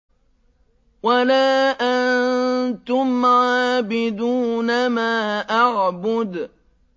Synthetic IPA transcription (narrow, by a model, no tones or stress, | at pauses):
walaːʔant̪ʊmʕaːbɪd̪uːnamaːʔaʕbʊd̪